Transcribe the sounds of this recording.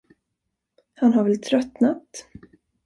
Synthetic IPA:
hanɦaɾvɛlt̪ʰɾœt̪nat̪

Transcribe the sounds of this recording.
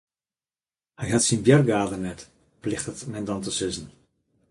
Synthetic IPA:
hɛjɦatsinbjɛrɡaːdərnɛt | plɪxtətmɛndɔntəsɪzn̩

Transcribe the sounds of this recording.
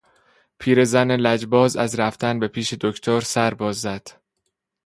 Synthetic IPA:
pʰiːɾe̞zænelæd͡ʒbɒːzæzɾæft̪ʰænbe̞pʰiːʃed̪okʰt̪ʰoɾsæɾbɒːzːæd̪̥

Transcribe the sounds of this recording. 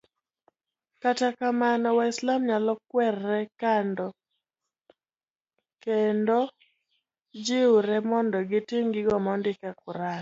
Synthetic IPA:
katakamanɔwaɪslamɲalɔkwɛrːɛkandɔ | kendo | d͡ʒɪuɾɛmɔndɔɡɪtiŋɡɪɡɔmɔndɪkakʊɾan

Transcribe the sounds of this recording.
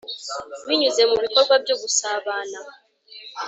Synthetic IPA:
wiɲuze̞muβiko̞ɾɡwabjo̞ːɡusaːβaːna

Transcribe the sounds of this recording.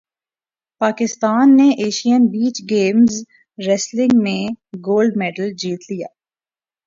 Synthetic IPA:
paːkɪst̪aːnːeʔeːʃijənbiːt͡ʃɡeːmz | ɾɛslɪ̃ŋɡmẽɡoːlɖmɛːɖəld͡ʒiːt̪lija̰ː

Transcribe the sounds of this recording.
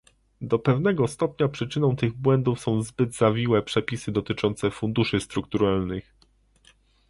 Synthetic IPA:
d̪ɔpɛvnɛɡɔst̪ɔpɲapʂɘt͡ʂɘnɔ̃w̃t̪ɘɣbwɛnd̪ufsɔ̃w̃zbɘd̪zavʲiwɛpʂɛpʲisɘd̪ɔt̪ɘt͡ʂɔnt̪sɛfund̪uʂɘst̪ɾukt̪uɾalnɘx

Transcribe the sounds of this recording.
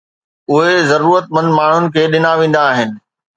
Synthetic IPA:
ʊɦezɐɾuːɾət̪̚mɐ̃nd̪maːɳ̤ʊnɪ̆kʰeːɗɪnaʋẽːn̆d̪aːɦɪnɪ̆

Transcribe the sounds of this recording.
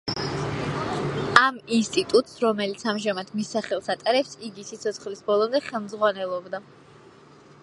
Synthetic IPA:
aminst̪ʼit̪ʼut̪ʼsɾɔmɛlit̪sʰamʒamad̪misːaχɛlˠsat̪ʼaɾɛpsiɡisit̪sʰɔt̪sχlisbɔlˠɔmd̪ɛχɛlˠmzʁwanɛlˠɔbd̪a

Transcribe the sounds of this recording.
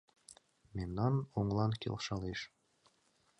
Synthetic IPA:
mʲinːɑnoɴlˠɑŋkʲḭlˠʃɑlˠiʃ

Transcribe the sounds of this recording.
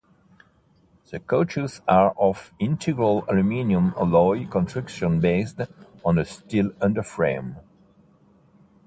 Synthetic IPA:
ð̥əkʰot͡ʃəzaɹʔɔvɪ̃ntʰɨɡɹəlalumĩnjə̃mlɔɪkɔ̃ntɹɪkʃə̃nbeɪstɔ̃nəstɪlʌ̃ndə˞fɹẽm

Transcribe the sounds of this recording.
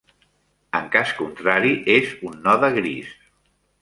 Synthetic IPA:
əŋkaskunt̪ɾaɾiʔezunːɔðəɣɾis

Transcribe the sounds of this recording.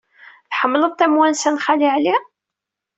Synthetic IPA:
θħəmːləðˤt̪ːæmwænsænχaliʕli

